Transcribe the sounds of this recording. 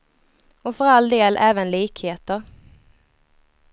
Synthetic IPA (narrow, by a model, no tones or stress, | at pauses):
ɔfœɾald̪eːlʔɛːvənliːkheːt̪əɾ